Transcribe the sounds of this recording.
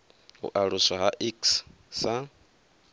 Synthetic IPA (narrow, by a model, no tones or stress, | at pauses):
ṵʔaɺusaɦaʔiks | sa